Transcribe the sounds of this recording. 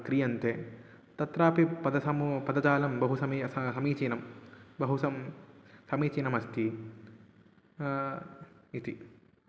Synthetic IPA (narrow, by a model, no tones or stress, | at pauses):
kɾijɐnt̪e | t̪ɐt̪ɾaːpipɐd̪ɐsɐmupɐd̪ɐd͡ʒaːlɐmbɐɦusɐmiɐsɐmiːt͡ʃinɐmbɐɦusɐmsɐmiːt͡ʃinɐmɐst̪i | it̪i